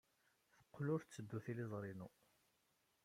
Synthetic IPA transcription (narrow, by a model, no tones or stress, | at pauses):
θə̥qːlʊɾt͡sːəd̪ːuθilizˤɾˤinu